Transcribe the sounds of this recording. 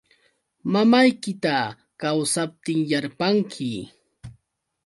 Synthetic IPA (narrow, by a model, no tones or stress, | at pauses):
mamajkɪt̪a | kawsap̚t̪ɪŋjaɾpaŋkʰɪ